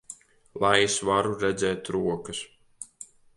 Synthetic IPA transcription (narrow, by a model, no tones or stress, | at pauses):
lˠajsvaɾuɾɛd̪zɛːt̪ɾuɔkɨs